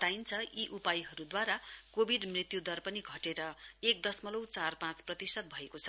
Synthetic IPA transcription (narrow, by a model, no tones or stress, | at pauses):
t̪aint͡sʰʌiʔupajɦʌɾud̪waɾakobʱiɖmrit̪jud̪ʌrpʌniɡʱʌʈeɾʌek̚d̪ʌsmʌlowt͡sarpãt͡sprʌt̪isʌt̪̚bʱʌekot͡sʰʌ